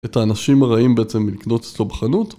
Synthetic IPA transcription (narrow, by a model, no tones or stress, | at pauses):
e̞taːnaʃimaʁaimbeet͡se̞mːilikno̞tet͡slo̞beχanut